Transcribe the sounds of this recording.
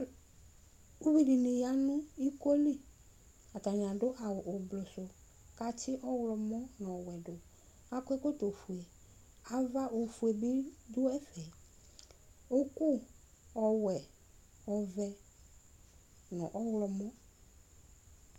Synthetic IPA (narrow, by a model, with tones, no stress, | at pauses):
u˦vi˨di˨nɪ̃˨ja˨˦nʊ̃˦i˦ko˦li˦ | a˨ta˨ɲ˨ã˨dʊ˦ʔa˨wʊ˨ʔʊ˨blɔ˨sʊ˨ | ka˦t͡ʃɪ˦ʔɔ˦wlɔ˨mɔ˦nʊ̃˨ɔ˨wɛ˨dʊ˨ | a˦kʊ˦e˦ko˦to˨fu˨e˨ | a˨va˦ʔo˨fu˨e˨bi˦dʊ˦ɛ˦fɛ˨ | o˦ku˦ | ɔ˨wɛ˨ | ɔ˨vɛ˨ | nʊ̰̃˨ʔɔ˦wlɔ˨mɔ̃˦